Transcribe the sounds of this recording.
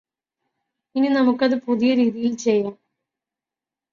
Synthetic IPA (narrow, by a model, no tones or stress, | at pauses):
inːinɐmukːɐðɨpuðijɐɾiːðijilt͡ɕejːaːm